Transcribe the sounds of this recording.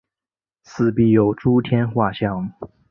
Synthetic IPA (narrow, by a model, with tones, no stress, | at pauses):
t͡sʰɹ̩˥˧pi˥˩jo˨˩ʊʈ͡ʂu˥t̪ʰjɛ˥nxwa˥˩ɕjɑ˥˩ŋ